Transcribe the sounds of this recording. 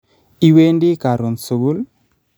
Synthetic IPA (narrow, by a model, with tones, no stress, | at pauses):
i˦we˦ndi˦ka˨ɾu˨nsu˨ɡu˦l